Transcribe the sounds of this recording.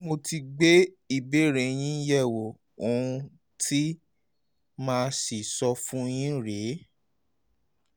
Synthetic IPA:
mo˧ti˧ɡ͡be˦ | i˨be˦˨ɾẽ˧j̃ĩ˦jɛ˦˨wo˨ | o˨ũ˧ | tʰi˦ | mãː˦˧si˨sɔ˧fũ˦j̃ĩ˦ɾe˨˦

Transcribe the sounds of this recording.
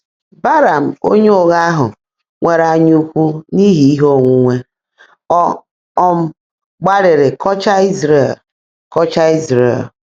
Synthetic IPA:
ba˦ɾa˨m̩˨o̰˦ɲe˦o˨ɣa˦a˦ɦʊ̰˨ | ŋʷe˨ɾa˨ɲu˦kʷu˦ni˦ɦi˨i˦ɦo˦˨ŋʷu˦ŋʷe˦ | ɔ˦ | ɔ˦m̩˦ | ɡ͡ba˦ɾɪ˨ɾɪ˨kɔ˦t͡ʃa˦i˦zɾe˨l | kɔ˦t͡ʃa˦i˦zɾḛ˨l

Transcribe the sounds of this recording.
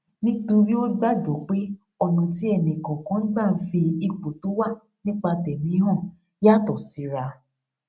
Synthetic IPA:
nĩ˦tũ˧ɾi˦o˦ɡ͡ba˦d͡ʒɔ˨˦k͡pe˦ | ɔ˧nũ˧ti˦ɛ˦˨nĩ˨kã˨kã˨˦n̩˦ɡ͡ba˦˨˦fi˧i˨k͡po˨to˨˦wa˦ | nĩ˦k͡pa˧tɛ˨mĩ˨˦ɦɔ̃˦˨ | ja˦˨tɔ˨si˨˦ɾa˧

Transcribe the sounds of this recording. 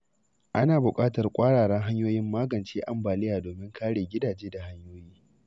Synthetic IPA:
ʔa˦naː˨bʊ˨kʼaː˦tɐ˨rkʷʼaː˦ɽaː˨ɽɐ˦ŋɦa˦ɲjoː˦jɪ˦mːaː˦ɡɐ˨nt͡ʃeː˦ʔa˦mbaː˨lɪ˦jaː˨doː˨mɪ˦ŋkʰaː˦ɽeː˨ɡʲɪ˦daː˨d͡ʒeː˦da˨ɦa˦ɲjoː˦jiː˦

